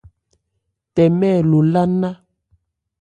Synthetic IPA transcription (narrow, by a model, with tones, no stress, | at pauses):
tɛ˨mɛ˦˨lo˨la˦na˦